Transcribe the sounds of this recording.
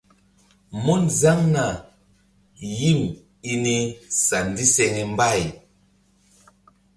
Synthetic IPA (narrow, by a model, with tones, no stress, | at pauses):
mɔ˦nza˦ŋna˨ | ji˦˨m | i˦ni˦sa˨n˨di˦sɛ˧ŋɛ˨m˦ba˦˨j